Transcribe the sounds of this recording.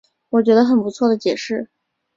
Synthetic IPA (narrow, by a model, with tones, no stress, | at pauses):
wɔ˨˩t͡ɕɥɛ˧˥d̪ə˧xə˨˩npu˧˥t͡sʰwɔ˥˩d̪ə˩t͡ɕjɛ˨˩ʂɻ̩˥˩